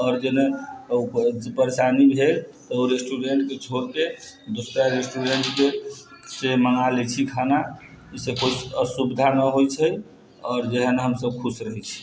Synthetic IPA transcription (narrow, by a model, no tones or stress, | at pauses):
ɔːɾd͡ʒene | d͡ʒepəɾesanibʱelt̪ɔoɾesʈuɖeɳʈket͡ʃʰoɾked̪osɾaɾesʈuɾeɳʈke | seməŋalɛt͡ʃʰikʰana | isekod͡ʒəsubid̪ʱanəɦojt͡ʃʰəj | ɔːɾd͡ʒeɦənɦəmsəb̚kʰusɾəɦɛt͡ʃʰi̥